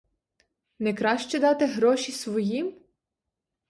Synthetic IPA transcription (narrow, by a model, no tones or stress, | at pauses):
nɛkɾɑʃt͡ʃɛd̪ɑt̪eɦɾɔʃisʋɔjim